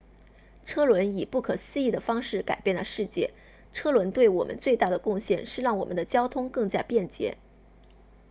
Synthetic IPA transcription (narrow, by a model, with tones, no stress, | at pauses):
ʈ͡ʂʰɤ˥lwə˧˥ni˨˩pu˥˩kʰɤ˨˩sɹ̩˥˧i˥˩d̪ə˩fɑ˥ŋʂɻ̩˥˩ka˨˩ɪpjɛ˥˩nlə˧˩ʂɻ̩˥˧t͡ɕjɛ̰˥˩ | ʈ͡ʂʰɤ˥lwə˧˥nt̪we˥˩ɪwɔ˨˩mʔə̰˦nt͡swe˥˧ɪt̪a˥˩d̪ə˩kʊ˥˧ŋɕjɛ˥˧nʂɻ̩˥˧ɻɑ˥˩ŋwɔ˨˩mə̰˦nd̪ə˧˦t͡ɕjɑ˥ʊt̪ʰʊ˥ŋkɤ˥˩ŋt͡ɕja˥pjɛ˥˩nt͡ɕjɛ̰˧˥